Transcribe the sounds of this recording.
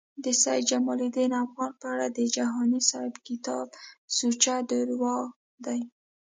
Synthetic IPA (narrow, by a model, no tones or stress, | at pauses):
d̪əsaj̪d͡ʒamɑlid̪enafɣɑnpəaɽad̪əd͡ʒaɦɑnisɑhɪbkɪt̪ɑbsut͡ʃad̪əɾwɑ | d̪aj